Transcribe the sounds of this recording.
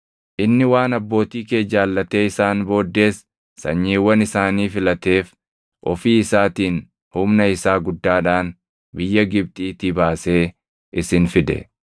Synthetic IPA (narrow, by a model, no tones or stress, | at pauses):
ʔɪnːɪwaːnɐbːo̞ːt̪iːkeːd͡ʒaːlːɐt̪eːɪsaːnbo̞ːd̪ːe̞ːs | sɐ̰ɲːiːwːɐnɪsaːniːfɪlɐt̪e̞ːf | ʔɔ̰fiːɪsaːt̪iːn | hʊmnɐɪsaːɡʊd̪ːaːᶑaːn | bɪjːɐɡɪb̚t̪ʼiːt̪ɪbaːse̞ː | ʔɪsɪnfɪd̪ɛ̰